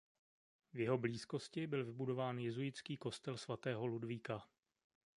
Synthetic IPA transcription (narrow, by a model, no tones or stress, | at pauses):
vjɛɦo̞bliːsko̞scɪbɪlvɪbudo̞vaːnjɛzujɪt͡skiːko̞st̪ɛlsvat̪ɛːɦo̞ludviːka